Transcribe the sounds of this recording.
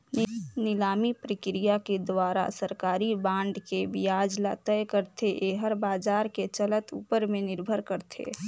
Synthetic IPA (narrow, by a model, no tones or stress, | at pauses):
nɪlaːmipɾəkɾijaked̪waːɾa̰səɾkaːɾibãːɳɖkebijaːd͡ʒla̰t̪əjkəɾt̪ʰeʔeɦəɾbaːd͡ʒaːɾket͡ʃələt̪ṵːpəɾmẽnɪɾbʱəɾkəɾt̪ʰḛː